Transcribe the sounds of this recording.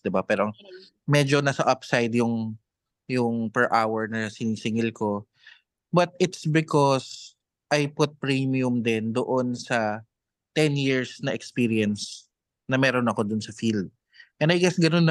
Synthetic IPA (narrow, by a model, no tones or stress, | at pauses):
d̪ɪbapɛːɾoɐŋ | mɛd͡ʒonasɐʔɐpsajd̪jʊŋ | jʊŋpɛɹʔawɛɹnɐsɪniːsɪŋɪlko̞ | bɐt̪̚ɪt̪sbɪkɔs | ʔɐjpʊt̪̚pɹimijʊmd̪ɛnd̪oʔonsɐ | t̪ɛnjiɹsnɐʔɛkspiːɾiɛns | nɐmɛːɾonɐko̞d̪ʊnsɐfild̪̚ | ʔɛ̃nd̪ɐjɡɛsɡɐnonːɐ